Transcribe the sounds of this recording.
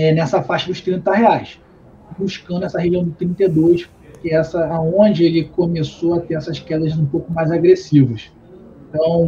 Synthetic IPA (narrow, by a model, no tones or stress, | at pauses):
ɛnɛsɐfaʃɐd̪ʊʃt̪ɾĩnt̪ɐɦeajs | buʃkɐ̃nd̪ʊɛsɐɦeʒiɐ̃w̃d̪ʊt̪ɾĩnt̪ed̪ojʃpʊkeɛsɐaõd͡ʒɪelɪkomesoɐt̪eɾɛsɐʃkɛd̪ɐzũpowkʊmajzaɡɾesivɐʃ | t̪ɐ̃w̃